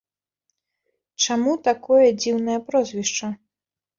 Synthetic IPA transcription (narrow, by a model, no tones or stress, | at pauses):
t͡ʂamut̪akɔjɐd͡zʲiwnɐjɐpɾɔzʲvʲiʂt͡ʂɐ